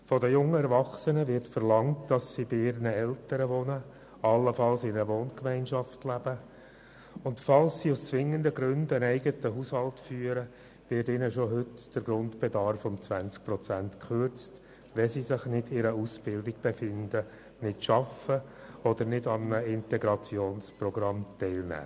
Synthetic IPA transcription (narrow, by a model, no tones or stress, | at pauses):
fɔdəjʊŋːəɛɾʋɑχsənəʋɪɾtfərlɑŋtd̥ɑsːibɪɪɾnəɛltəɾəʋɔnə | ɑlːəfɑlsɪnəəʋoːnkmæɪnʃɑftlæb̥ə | ʊntfɑlssiʊst͡sʋɪŋːəndəɡɾʏndənɛɪɡətəɦushɑltfyːəɾə | ʋɪdɪnəʃɔɦʏtd̥əɾɡɾʊndb̥ɛdɑɾfɔmt͡sʋænt͡sk̚prɔt͡sæntkχøɾt͡st | ʋɛsisɪχnɪdɪɾəusb̥ɪldɪɡ̥̚b̥efɪndə | nɪtʃɑfə | ɔd̪əɾnɪdɑmnəɪntɛɡɾɑt͡sjoːnsprɔɡɾɑmtɛɪlnæ̰ː